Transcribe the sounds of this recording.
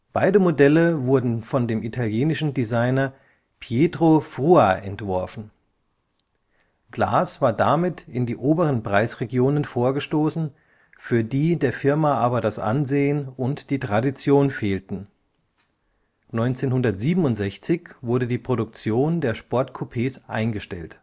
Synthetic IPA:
b̥aɪdəmodɛləvʊɐdn̩fɔndeːmitʰaljeːnɪʃn̩dizaɪnɐ | pʰjeːtʁofʁ̥uaʔɛ̰ntv̥ɔɐfn̩ | ɡ̥la̰ːsv̥aːɐdamɪtʰɪndiːʔoːbəʁənpʁ̥aɪsʁeɡjoːnənfoːɐɡəʃtoːsn̩ | fyːɐdiːdeːɐfɪɐmaʔaːbɐdasʔa̰nzeːənʊntd̥iːtʁ̥adit͡sjoːnfeːltn̩ | nɔʏnt͡seːnhʊndɐtz̥iːbm̩ʊntz̥ɛçt͡sɪçv̥ʊɐɾədiːpʁ̥oɾʊk̚t͡sjoːndeːɐʃpɔɐtkʰopʰeːsʔa̰ɪnɡəʃtɛ̰lt

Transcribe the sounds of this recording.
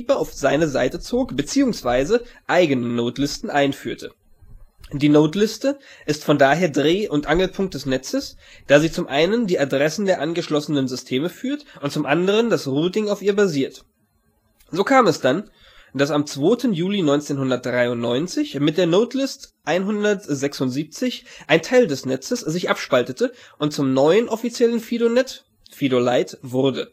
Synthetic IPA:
bɐaʊfz̥aɪnəzaɪtət͡soːkb̥ət͡siːʊŋsv̥aɪzəʔaɪɡənənoːtlɪstn̩ʔaɪnfyːɐtʰə | d̥iːnoːtlɪstəʔɪstfɔndaːɦeːɐdʁeːʔʊntʔaŋl̩pʰʊŋkt̚d̥ɛsnɛt͡səsd̥aːziːt͡sʊmʔaɪnəndiːʔadʁɛsn̩deːɐʔanɡəʃlɔsənənzʏstʰeːməfyːɐtʔʊnt̚t͡sʊmʔandəʁ̞əndasʁuːtɪŋaʊfiːɐbaziːɐt | zoːkʰaːmɛsd̥an | d̥asamt͡sv̥oːtʰənjuːlinɔʏnt͡seːnhʊndɐt̚d̥ʁaɪʊntnɔʏnt͡sɪçmɪt̚d̥eːɐnoːtlɪstʔaɪnɦʊndɐtz̥ɛksʊntz̥iːp̚t͡sɪçʔaɪntʰaɪldɛsnɛt͡səszɪçʔapʃpaltətʰəʔʊnt̚t͡sʊmnɔʏənʔɔfit͡sjɛləno | fidola̰ɪtvʊʁdə

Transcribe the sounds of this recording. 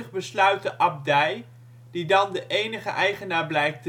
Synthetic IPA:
əχbəslœɥtəʔɑb̚dɛj | didɑndəʔejnəχə̰ʔɛjχənaːɹblɛjk̚tə

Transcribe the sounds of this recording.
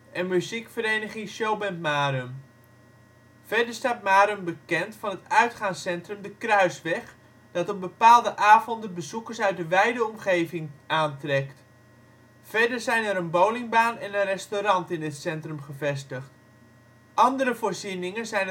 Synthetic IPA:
ʔɛnmyzikfəɾejnəχɪŋsʃowbɛntmaːɾøm | fɛɹdəɹstaːt̚maːɾəmbəkɛntfɑnɦətœɥtχaːŋsɛntrɵmdəkrœɥsʋɛχ | d̥ɑtənbəpaːlˠdəʔaːvɔndənbəzukəɹsœɥt̚dəʋɛjdəɔmχejvɪŋʔaːntrɛkt | fɛɹdəɹzɛjnɛɾənbowlɪŋbaːnɛnənrɛstoɾɑntɪnɪtsɛntrəmχəvɛstəχt | ʔɑndərəvoːɹzinɪŋənzɛjn

